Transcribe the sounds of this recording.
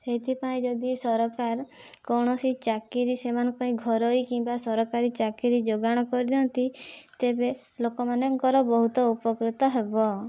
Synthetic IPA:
seɦit̪ʰipaĩd͡ʒɔd̪isɔɾɔkaɾkɔwɽ̃ɔsit͡ʃakiɾisemanɔŋkɔpaĩɡʱɔɾoikimbasɔɾɔkaɾit͡ʃakiɾid͡ʒoɡaɽ̃ɔkɔɾid͡ʒɔnt̪it̪ebe | lokɔmanɔŋkɔɾɔbɔɦut̪ɔupɔkɾut̪ɔɦebɔ

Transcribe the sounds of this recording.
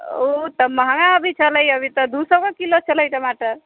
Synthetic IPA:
ot̪əməɦəŋaəbʱit͡ʃʰələjəbʱit̪əd̪ʱusəkʌkilot͡ʃʰələjʈəmaʈəɾ

